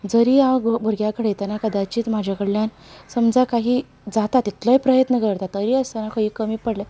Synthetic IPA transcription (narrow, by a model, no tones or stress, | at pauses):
d͡zəɾiːãɡbʱəɾɡjakəɽejt̪anakəd̪at͡ɕiːt̪m̤ad͡ʑʱakəɽljan | səmd͡zakaɦiː | d͡zat̪at̪it̪ləipɾəjət̪nəkəɾt̪at̪ːəɾiːəst̪anakəɦiːkəmiːpəɽla